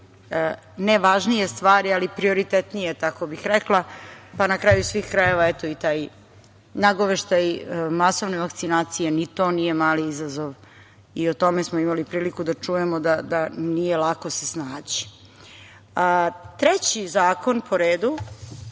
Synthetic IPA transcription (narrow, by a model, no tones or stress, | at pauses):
neʋaʒnije̞st̪ʋaːɾialipɾio̞ɾit̪et̪nije̞t̪ako̞bixɾeklˠapanakɾaːjusʋiːxkɾaje̞ʋaet̪o̞it̪aːj | naɡoʋeʃt̪ajmaso̞ʋneʋakt̪sinaːt̪sije̞nit̪o̞ːnije̞maːliizazo̞ʋ | iot̪o̞mesmoimalipɾiːlikud̪at͡ʂuje̞mod̪ad̪anije̞lˠakosesnaːd͡ʑi̥ | ət̪ɾet͡ɕizaːko̞npʰo̞ɾeːd̪u